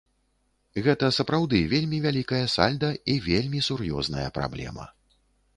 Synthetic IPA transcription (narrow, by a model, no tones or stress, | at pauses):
ɣɛt̪ɐsɐpɾawd̪ɨvʲelʲmʲivʲalʲikɐjɐsa̰lʲd̪ɐivʲelʲmʲisurjɔ̰znɐ̰jɐ̰pɾa̰blʲɛ̰mɐ̰